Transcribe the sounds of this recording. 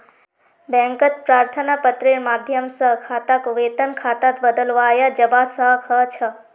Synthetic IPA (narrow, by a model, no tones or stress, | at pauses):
bɛ̃ŋkət̪̚pɾaːɾt̪ʰənapət̪ɾeɾmad̪ʱjəmsəɦkʰat̪akoʋet̪ənkʰat̪at̪bəd̪əlʋajad͡ʒəbasəɦkʰət͡ʃʰə